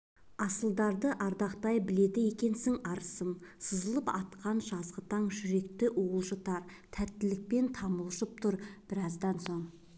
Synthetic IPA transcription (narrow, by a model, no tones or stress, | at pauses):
ɑsəlˠd̪ɑɾd̪əʔɑɾd̪ɑqt̪ɑjbɪle̞d̪ɪje̞kʲe̞nsɪŋɑɾəsəmsəzəlˠəpɑt̪qɑnʒɑzʁət̪ɑɴʒʏɾe̞kt̪ɪʔoʁəlˠʃət̪ɑɾt̪ʰæt̪ːɪlɪk̚pe̞nt̪ʰɑməlˠʃəp̚t̪ʰʊɾb̥ɪɾɑzd̪ɑnso̞ɴ